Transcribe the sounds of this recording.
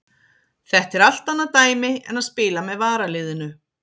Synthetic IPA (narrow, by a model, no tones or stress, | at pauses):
θɛht̪ɛɾal̥t̪anːat̪aːjmɪɛ̰naðspɪːlamɛðvaːɾalɪːðɪnʏ